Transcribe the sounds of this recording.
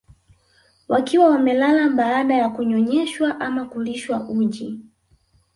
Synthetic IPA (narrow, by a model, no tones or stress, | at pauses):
wakiwawamɛlalaɓaːɗajakuɲɔɲɛʃwaʔamakuliʃwaʔuʄi